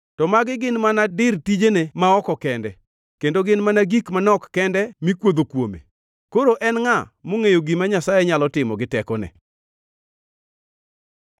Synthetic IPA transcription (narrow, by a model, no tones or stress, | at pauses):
tɔmaɡɪɡɪnmanadɪrtid͡ʒenemaɔkɔkɛndɛ | kendoɡɪnmanaɡikmanɔkːɛndɛmikwod̪okwo̰mḛ | koɾoʔɛnŋamoŋejoɡimaɲasajɛɲalɔtɪmɔɡɪtɛkɔnɛ̰